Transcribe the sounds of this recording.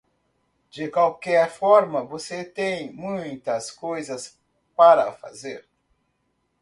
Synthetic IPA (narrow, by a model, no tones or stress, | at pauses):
d͡ʒɪkwawkɛɾfɔɾmɐvoset̪ẽj̃mũj̃t̪ɐskojzɐs | paɾɐfa̰zeɾ